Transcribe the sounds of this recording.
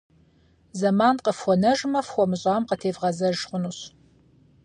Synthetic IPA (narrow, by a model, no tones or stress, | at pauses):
zɐmaːnqəfχʷɔnɐʒmɐfxʷɔmɨɕʼaːmqətʰeːvʁɐzɐʒχʷʊnuɕ